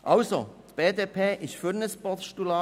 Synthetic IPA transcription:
ʔaʊso̰t̪b̥eːteːpʰeːʔɪʃfyɾnəspɔtʃtulɑ

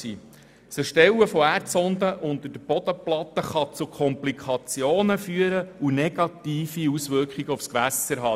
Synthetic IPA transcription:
ḭː | səʃtɛwəfɔæːrtt͡sɔnd̪əʔʊnt̪əd̥əb̥ɔd̥̪əplɑt̪ːəχɑt͡sukʰɔmplikʰɑt͡sjoːnəfyːəɾəunɛɡ̥ɑt̪iːfiusʋʏɾkχiɡəufskʋæsəɾɦɑ

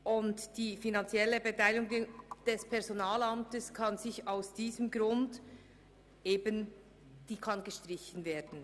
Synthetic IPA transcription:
ʔʊntd̥iːfinɑnt͡sɛlːəbetʰaɪlɪɡʊŋd̥ɛspʰɛʁzonɑːlɑmtəskʰɑnzɪçaʊsd̥iːzəmɡɾʊnd | ʔeːbən | d̥iːkʰɑnɡəʃtʁɪçən̩veːdn̩

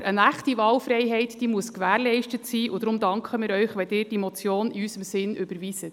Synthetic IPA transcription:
ənæχtiʋɑːlfɾɛɪɦɛɪtd̥iːmuəskʋæːɾlɛɪʃtətsiːʔʊd̥̪ɾʊmd̪ɑŋkχəmɪːɾœʏχʋɛdɪːɾd̥imɔt͡sjoːniysəmsɪnʏbəɾʋiːsət

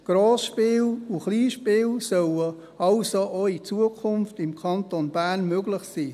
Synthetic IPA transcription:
ɡ̥ɾoːsʃpɪːluχliːʃpɪːlsœlə | ɑʊsoʔoit͡suəkʰʊnftɪmkʰɑntonb̥æːɾnmøɡlɪχsiː

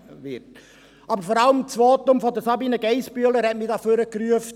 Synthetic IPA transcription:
ʋɪt | ʔɑbəɾfɔɾɑləmt͡sʋoːt̪ʊmfɔdəsɑbiːnəɡɛɪspyələɾhɛtmɪdɑːføɾəkɾyəft

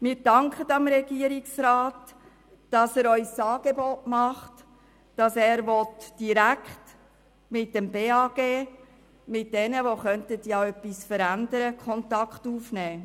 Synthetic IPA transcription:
mɪːɾd̥ɑŋkχətɑmɾɛɡ̥iəɾiksɾaːt | d̥ɑsæːɾœʏsɑːɡ̥ebɔtmɑχt | d̥ɑsæːɾʋɔtd̥iɾækχt | mɪtdɛmbeːɑːɡ̥eː | mɪt̚dɛnəʋoχœntətjɑœpːisfəɾændəɾəkʰχɔntɑkχtuːfnɛː

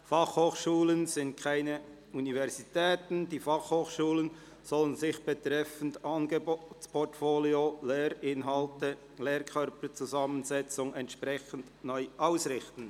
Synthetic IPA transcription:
fɑχhoːχʃuːlənzɪnt̚kʰaɪnə | univɛʁzitʰɛːtn̩d̥iːfɑχhoːχʃuːlən | z̥ɔlənzɪçb̥ɛtʁɛfn̩dɑnɡəboːtspʰɔʁtfoːljoleːɾɪnɦɑltə | leːrkʰœɾpət͡suzɑmənzɛt͡sʊŋɛntʃprɛçən̩dnɔʏʔaʊsrɪxtn̩

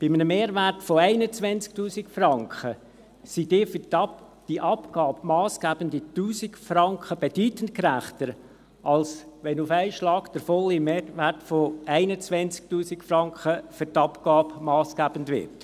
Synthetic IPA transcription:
b̥ɪmənəmeːɾʋærtfoæɪnət͡sʋɛnt͡sk̚tuːsikfrɑŋkχə | sidɪːfyt | d̥iʔɑpɡ̥ɑːbmɑːsɡ̥æːb̥əndituːsikfɾɑŋkχəb̥ed̥yːtəntkɾæχtəɾ | ʔɑlsʋɛnufæɪʃlɑːkd̥əɾfɔlimeːværtfoæɪnət͡svɛnt͡sk̚tuːsikfrɑŋkχəfyrtɑpɡɑːbmɑːsɡ̥æːb̥əndʋɪ̰rt

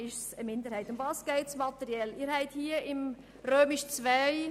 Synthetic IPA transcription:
ɪʃsəmɪnd̪əɾhæɪtʊndvɑːsɡ̥ɛɪtsmɑt̪ɛɾiɛliːɾhɛɪthiːəɪm | ɾøːmɪʃt͡svaɪ

